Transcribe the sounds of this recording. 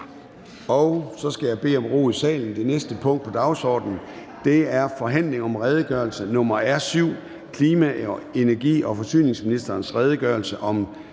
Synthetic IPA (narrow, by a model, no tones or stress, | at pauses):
ɒ̽ʊsɒ̽sɡ̥æjɑ̈ɪb̥e̝̰ːɒ̽mʁo̝̰ːðˠsɛ̰ːln̩d̥e̝nesd̥əpʰɔ̽ŋ̰d̥̚pʰɒ̽d̥ɑ̈ʊsɒ̰ːd̥n̩ | d̥e̝æɐfɒ̽ɦæn̰le̝ŋɒ̽mʁɛːð̞ˠəɡ̥ɶɐlsənɔ̽mɐæɐsyʊ̰ | kʰliːmæe̝næɐɡ̥ḭːɒ̽fɒ̽sy̰ːne̝ŋsminisd̥ɐːnsʁɛːð̞ˠəɡ̥ɶɐlsəʔɒ̽m